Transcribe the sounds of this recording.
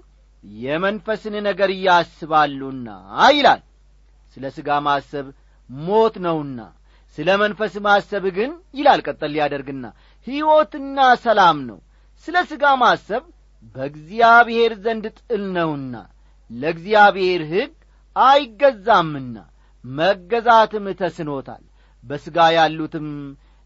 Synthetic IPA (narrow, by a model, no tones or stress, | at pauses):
jɛmənfəsɨnnəɡəɾɨjːasɨβalːunːa̰jɪla̰l | sɨləsɨɡamasəβ | mo̞t̪nəwɨnːa̰ | sɨləmənfəsmasəβɡɨnjɪlalkʼət̪ʼːəlːijad̪əɾɡɨnːa̰ | hiwo̞t̪ɨnːasəlamnə̰w | sɨləsɨɡamasəβ | bəɡzijaβhe̞ɾzənd̪t̪ʼɨlnəwɨnːa̰ | ləɨɡzijaβhe̞ɾɦɨɡ | ajɪɡːəzːamːɨnːa̰ | məɡːəzat̪ɨmt̪ʰəsɨno̞t̪ʰa̰l | bəsɨɡajalːut̪ʰɨm